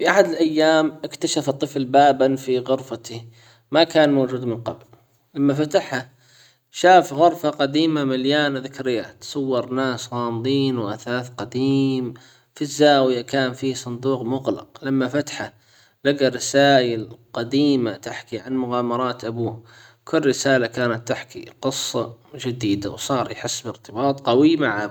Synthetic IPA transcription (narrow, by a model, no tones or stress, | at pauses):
fiʔaħad̪ɪlʔajːaːmʔɪkt̪aʃaft̪ˤːɨflbaːbanfiɣʊɾfat̪i | makaːnmoːd͡ʒuːd̪mɪnqɑ̰bl | lamːafat̪aħha | ʃaːfɣʊɾˤfaqad̪iːmamaljaːnðɪkɾɪjːat̪sˤɑwːɑɾˤnaːsɣɑːmd̪ˤiːnwʔaθaːθqad̪iːm | fizːaːwjakaːnfiːsˤʊnd̪uːqmʊɣlɪ̰qlamːafat̪ħa | laɡaɾɪsaːʔɪlqad̪iːmat̪aħkiʕanmʊɣaːmɑɾˤɑːt̪ʔabuːh | kʰʊlːɾɪsaːlakaːnat̪ːɪħkḭqɨsˤːɑd͡ʒad̪iːd̪a̰wsˤɑːɾˤjħɪsːbɪɾt̪ɪbɑːt̪ˤqɑwimaʕa